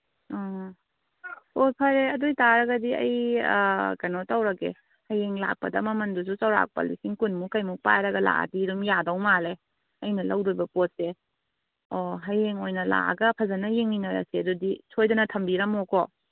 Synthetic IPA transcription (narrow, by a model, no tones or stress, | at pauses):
ɔ | pot̚pʰɐɾeɐdujtaɾɐɡɐdiɐ̰j | kɐjnɔtɐwɾɐkḛ | hɐjeŋla̰k̚pɐ̰dɐ̰mɐmɐndusut͡ʃɐwɾa̰k̚pɐ̰lḭsiŋkunmukɐjmupajɾɐɡɐla̰a̰diɾumjadɐwmale | ɐjnɐlɐwdojbɐpot̚se | ɔɦɐjeŋojnɐla̰ɡɐpʰɐzɐnɐjeŋninɐɾɐ̰seɐdudisʰojdɐnɐtʰɐmbiɾɐmɔkʰɔ